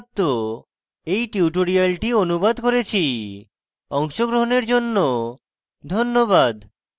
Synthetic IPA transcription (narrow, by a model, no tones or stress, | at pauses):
t̪ːo | ejʈiuʈoɾialʈionubad̪koɾet͡ɕʰi | ɔŋʃoɡɾoɦoneɾd͡ʑonːo | d̪ʱonːobad̪